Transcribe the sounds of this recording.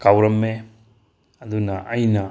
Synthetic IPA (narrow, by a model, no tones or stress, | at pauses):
kawɾɐmːe | ɐd̪unɐʔɐjnɐ